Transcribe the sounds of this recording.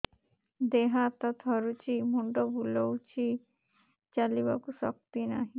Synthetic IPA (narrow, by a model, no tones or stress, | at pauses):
d̪eɦat̪at̪ʰɔɾut͡ɕʰimuɳɖobʱulowt͡ɕʰi | t͡ɕaliβakusɔ̰k̚t̪inaɦĩ